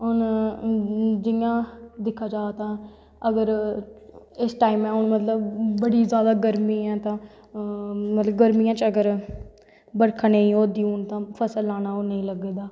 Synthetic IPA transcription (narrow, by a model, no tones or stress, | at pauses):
ɦon | d͡ʒɪjãːd̪ɪkʰːaːd͡ʒaːt̪ãː | əɡəɾ | ɪsʈaːimɛ̃ːʊnmət̪ləbbəɽiːzjaːd̪aːɡəɾmiːɛ̃ːt̪ãː | mət̪ləbɡəɾmiːãːt͡ʃəɡəɾ | bəɽkʰənəĩːoːd̪iːʊnt̪ãːpʰəsəlːaːnaːoːnəĩːləɡeːd̪aː